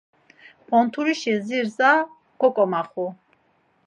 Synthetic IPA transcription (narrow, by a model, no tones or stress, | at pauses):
b̥ɔnt̪ʰuɾiʃɛziɾza | ɡ̥ɔkʼɔmaχu